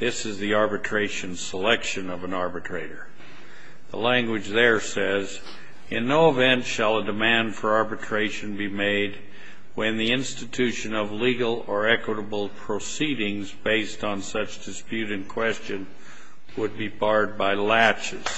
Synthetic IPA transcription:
ðɪsɨzðiɑɹbɨtʰɹ̥eɪʃɨ̃nsəlɛkʃɨ̃nʌvə̃nɑɹbɨtʰɹ̥eɪɾə˞ | ðə̰læ̃ŋɡwɨd͡ʒðə˞sɛz | ɪ̃nːoʊəvɛ̃ntʃəlˠədɨmæ̃nd̥fə˞ɑɹbɨtʰɹ̥eɪʃɨ̃nbimeɪd̚ | wɨ̃nðiɪ̃nstɨtʰʉʃɨ̃nʌvliɡl̩ˠə˞ɛkwəɾəbl̩ˠpʰɹ̥osiɾɪ̃ŋzbeɪstn̩sʌt͡ʃd̥ɨspjʉɾɨ̃nkʰw̥ɛst͡ʃɨ̃n | wəd̚bibɑɹd̚baɪlæt͡ʃɨz̥

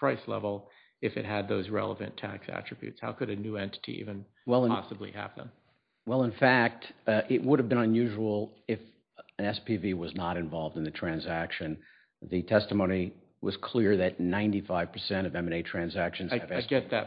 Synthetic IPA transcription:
ɹ̥aɪslɛ̰vl̩ˠ | ɨfɨ̰t̚ɦɨd̪̚ðoʊzɹɛ̰lˠəvɨ̰̃ntʰæ̰ksæ̰t͡ʃɹ̥ɨbjʉ̰tshaʊkɨɾɨnʉɛ̃ntʰɨ̥ɾḭḭvɨ̃n | wɛlˠə̃ɑsəblḭæ̰vðə̰̃m | wɛlˠə̃nfæk̚tʔɪʔ̚wʊɾɨvbɨ̃nə̃njʉʒəl̩ˠɪf | ɨ̃nɛspʰiviwʌznəɾɨ̃ɱvɑlˠvdn̩ðɨtʰɹ̥æ̃nzækʃɨ̃n | ðɨtʰɛstəmõʊ̃ni | wʔʌ̰z̥kʰl̥ɪɹðɨtⁿnãɪ̃ntifaɪv̥pʰə˞sɛ̃ɾ̃ʌvɛ̃mneɪtʰɹ̥æ̃nzækʃɨ̃n̩zɨvɛsɡɛt̪̚ðɨt

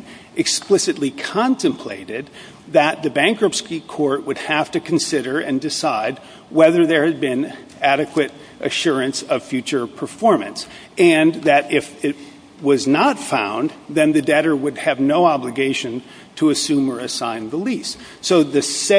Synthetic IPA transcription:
ɨksplɪsɨtˡlikʰɑ̃ntʰɨ̃mpʰl̥ḛɪɾɪd̪̚ | ðɨt̪̚ðɨbæ̃ŋkɹʌpskikʰɔɹt̚wəd̚hæftɨkʰn̩sɪɾə˞ɨ̃ndɨsaɪd̚ | wɛðə˞ðə˞ɨd̚bɪ̃n | æɾɨkwɨɾ | ʔɨʃʊɹɨ̃nsʌv̥fjʉt͡ʃə˞pʰə˞fɔɹmɨ̰̃ns | ʔɨ̃nðɨɾɪfɪt̚ | wʌznətfã̰ʊ̃nðɨ̃nðɨdɛɾə˞wəd̚ɨvnoʊɑblɨɡeɪʃɨ̃n | tʰəːsʉ̃mə˞ɨsãɪ̃nðəlisː | oʊðɨs

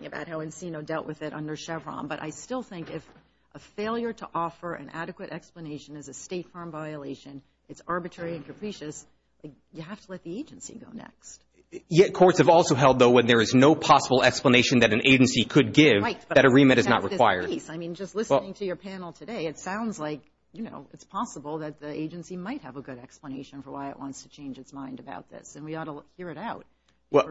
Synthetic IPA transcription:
ŋɨba̰ʊt̚haʊɨ̃nsinoʊdɛlˠʔwɨðɨɾʌ̰̃ndə˞ʃɛvɹɑ̰̃mbʌɾʔa̰ɪstɪlˠθɪ̃ŋkɪf | ʔəfeɪlˠjə˞ɾəʔɔfə˞ʔɨ̰̃nʔæ̰ɾɨkwɨɾʔɛkspləneɪʃɨ̃nɨzɨsteɪtfɜ̃˞ɱvaɪɨleɪʃɨ̃n | ɨtsɑɹbɨtʰɹ̥ɛɹiɨ̃nkʰɨpʰɹ̥iʃɨs | laɪk̚ | jɨɦæftʰəlɛt̪̚ðieɪd͡ʒɨ̃nsḭɡoʊnɛ̰kst̚ | jɛkʰɔɹtsɨvɔlˠsoʊɦɛlˠd̪̚ðoʊwə̃nðə˞ɨznoʊpʰɑsəbl̩ˠɛkspləneɪʃɨ̃nðɨɾ̃n̩ʔeɪd͡ʒɨ̃nsikʰɨd̚ɡɪvðɨɾəɹĩmɨ̃ɾ̃ɨznə̰ʔ̚ɹɨkw̥aɪə̰˞dsaɪmĩnd͡ʒʌstˡlɪsnɪ̃ŋtʰɨjə˞pʰænl̩ˠtʰɨɾeɪɨtsãʊ̃ndzlaɪk | jɨno̰ʊɨtspʰɑsəbl̩ˠðɨt̪̚ðiʔeɪd͡ʒɨ̃nsimaɪt̚hɨvəɡʊɾɛkspləneɪʃɨ̃n̩fə˞waɪɨ̰ʔwɑ̃ntstʰɨ̥t͡ʃʰẽɪ̃nd͡ʒɨtsmãɪ̃ndɨba̰ʊt̪̚ðɪ̰sɨ̃nwiɔɾəhiɹɨɾaʊt̚ | wɛ

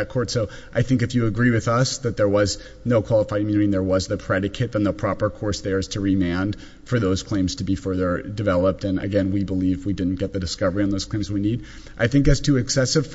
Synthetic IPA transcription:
t̚kʰɔɹtsoʊ | ʔaɪθɪ̃ŋk̬ɨfjɨːɡɹiwɨðʌsðɨt̪̚ðə˞wʌz | noʊkʰw̥ɑlˠəfaɪd̚ʰmjʉñɨɾĩðə˞wʌzðɨpʰɹ̥ɛɾɨkʰɨɾə̃nðəpʰɹ̥ɑpə˞kʰɔɹsðə˞ɨz̥tʰɨɹimæ̃nd̥ | fə˞ðoʊz̥kʰl̥ẽɪ̃mz̥tʰɨbifɜ˞ðə˞dɨvɛlˠəp̚tɨ̃nɨ̰ɡɛ̃nwibəlivwidɪdⁿn̩ɡ̥ɛt̪̚ðɨdɨskʌvə˞iɨ̃nðoʊz̥kʰl̥ẽɪ̃mzwinid | ʔaɪθɪ̃ŋkɨz̥tʰʉɨksɛsɨv̥

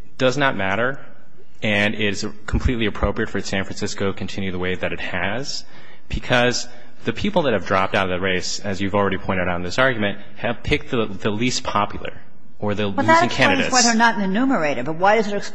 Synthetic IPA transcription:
d̥ʌznət̚mæɾə˞ | ɨ̃nɪɾɨz | kʰm̩pʰl̥itˡliɨpʰɹ̥oʊpɹiɨtfɹə˞tsæ̃nfɹɨ̃nsɪskoʊɾɨkʰn̩tʰɪ̃njʉðəweɪðɨɾɨt̚hɨz̥ | b̥ɨkʰʌz | ðɨpʰipl̩ˠðɨt̚hɨvdɹɑp̚taʊɾʌvðɨt̚ɹeɪs | ɨzjʉvl̩ˠɹɛɾipʰɔ̃ɪ̃ɾ̃ɾn̩ðɪsɑɹɡjmɨ̃nt̚hɨv̥pʰɪk̚t̪̚ðɨðɨlis̚pʰɑpjl̩ˠə̰˞ | ə˞ðɨ̃ŋkʰæ̃nɨɾɨzwaɪðə˞nətnɨnʉmə˞eɪɾɨd̚bʌt̚waɪɾʌzɨɾɨ

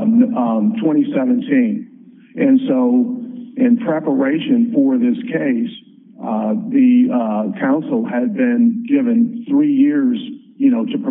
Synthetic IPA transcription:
tʰw̥ɛ̃ɾ̃isɛvɨ̃ntʰĩn | ʔɨ̃nsoʊɪ̃npʰɹ̥ɛpə˞eɪʃɨ̃nfə˞ðɪskʰeɪs | ðɨkʰãʊ̃nsl̩ˠɨd̚bɪ̃nɡɪvɨ̃nθɹijɪɹz̥ | jɨñoʊɾɨpʰ

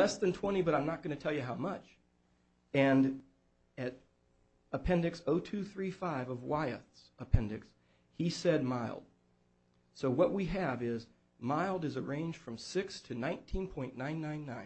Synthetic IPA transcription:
lɛsðɨ̃ntʰw̥ɛ̃ɾ̃ibʌɾãɪ̃mnət̚ɡ̥ʌñɨtʰɛlˠjɨɦaʊmʌt͡ʃ | ɨ̃n | ɨɾ | əpʰɛ̃ndɨksoʊtʰʉθɹifaɪvʌvwaɪɨ̰θs | əpʰɛ̃ndɨks | hisɛd̚maɪlˠd̥̚ | soʊwʌʔ̚wiɨvɪz | maɪlˠdɨzə˞ẽɪ̃nd͡ʒʒd̥fɹʌ̃msɪkstʰɨnãɪ̃ntʰĩnpʰɔ̃ɪ̃nnːãɪ̃nːãɪ̃nːãɪ̃

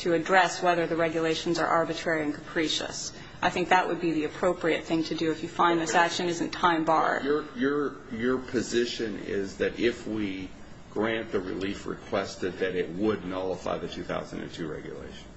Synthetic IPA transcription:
tʰɨɨdɹɛswɛðə˞ðɨɹɛɡjɨleɪʃn̩zə̰˞ʔɑɹbɨtʰɹ̥ɛɹiɨ̃nkʰə̥pʰɹ̥iʃɨ̰s | ʔaɪθɪ̃ŋk̚ðəʔwəd̚biðiɨpʰɹ̥oʊpɹiɨt̪̚θɪ̃ŋtʰɨdɨɨfjɨfãɪ̃nðɪsækʃɨ̃nɪzɨ̃n̩tʰãɪ̃mbɑ̰ɹd̥ə˞jə˞ | jə˞pʰɨzɪʃɨ̃nɪ̰zðɨɾɪfwi | ɡ̥ɹæ̃nðɨɹɨ̰lifɹɨ̰kʰw̥ɛstɨd̪̚ðɨɾɪt̚wədⁿnɑlˠəfa̰ɪðɨtʰʉθa̰ʊz̰n̩dɨ̰̃n̩tʰʉɹɛ̰ɡjɨ̰lḛɪʃn

